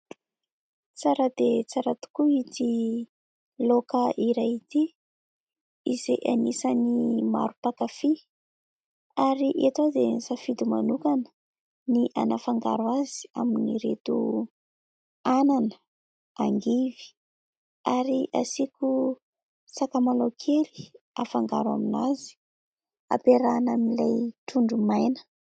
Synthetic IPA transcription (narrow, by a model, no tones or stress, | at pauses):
t͡saɾad̪̥et͡saɾat̪u̥kuit̪i | lokəʔiɾajit̪i | izeʔanisənima̰ɾupakafi | aɾiʔet̪ad̪enisafid̪uma̰nukanə̥ | niʔa̰nafaŋɡa̰ɾuazi̥a̰miniɾet̪u | ananə | aŋɡivi̥ | aɾiʔasiku | sakamalokʰeli̥ | afaŋɡa̰ɾa̰minazi̥ | a̰peɾanamilajt̪uɳɖ͡ʐumajnə̥